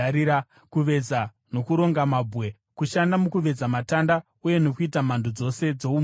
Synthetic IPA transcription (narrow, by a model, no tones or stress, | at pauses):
ɾia | kuʋe̞d͡za | no̞kuɾo̞ŋɡamabʱwe̞ | kuʃandamukuʋe̞d͡zamatanda | uje̞no̞kuitam̤andʱuod͡zo̞se̞d͡zo̞um